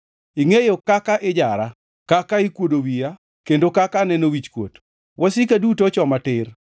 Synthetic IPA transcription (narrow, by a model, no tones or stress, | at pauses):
ɪŋejokakaʔɪd͡ʒaɾa | kakaɪkwodowija | kendokakanɛnowit͡ʃkwo̰t | wʔɔsikadutot͡ʃɔmatɪr